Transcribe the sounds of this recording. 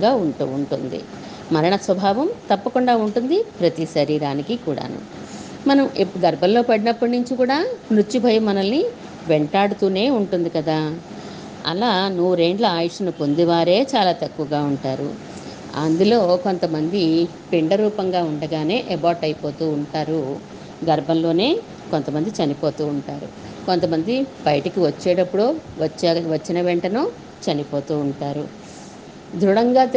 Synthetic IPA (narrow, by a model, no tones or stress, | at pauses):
aːuɳuɳʈund̪ḭ | mɐɾɐɳɐsʋɐbʱaːʋɐmt̪ɐpːɐkuɳɖaːuɳʈund̪ipɾɐt̪iʃɐɾiːɾaːnikikuːɽa̰ːnṵ | mɐnɐmeɡɐɾbʱɐllo̞ːpɐɽinɐpːɐɽnuɲt͡ʃikuːɽaːmɾut͡ʃːibʱɐjɐmɐnɐlːi | ʋeɳʈaːɽut̪uːne̞ːuɳʈund̪ikɐd̪aː | ɐ̰laːnuʋɾeːɳɖlɐaːjuʂɐnupo̞nd̪iʋaːɾe̞ːt͡ʃaːlaːt̪ɐkːuʋɐɡaːuɳʈaːɾṵ | ɐnd̪ulo̞ːko̞nt̪ɐmɐnd̪i | piɳɖɐɾuːpɐŋɡaːuɳɖɐɡaːne̞ːʔebaːɾʈɐjipo̞ːt̪uːɳʈaːɾu | ɡɐɾbʱɐnlo̞ːne̞ː | kont̪ɐmɐnd̪it͡ʃɐnipo̞ːt̪uːɳʈaːɾṵ | ko̞nt̪ɐmɐnd̪ibɐjɐʈɐkiʋɐt͡ʃːɛːɽɐpːuɽuːʋɐt͡ʃːʋɐt͡ʃːinɐʋeɳʈɐnu | t͡ʃɐnipo̞ːt̪uːuɳʈaːɾu | d̪ɾuɽɐŋɡaː